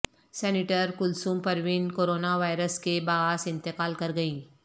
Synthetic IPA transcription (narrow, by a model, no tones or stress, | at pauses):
sɛːnɪʈəɾkʊlsuːmpɐɾʋɪnkoːɾoːnaʋaːɪɾəskebaɦaːsɪ̃nt̪ɪqaːlkɐɾɡɐĩː